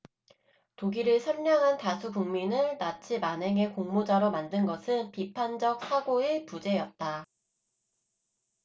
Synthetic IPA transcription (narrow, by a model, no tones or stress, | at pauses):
toɡiɾɯɭsʰʌɭmjʌŋɦantasʰukuŋminɯnnat͡ɕʰimanɦe̞ŋe̞koŋmod͡ʑaɾomandɯnɡʌsʰɯnpipʰand͡ʑʌk̚sʰaɡoepud͡ʑe̞jʌt̚t͈a